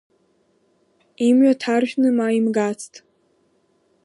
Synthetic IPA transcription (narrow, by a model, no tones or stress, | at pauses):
imɥatʰarʒʲᶣnɨmaimɡat͡sʰtʼ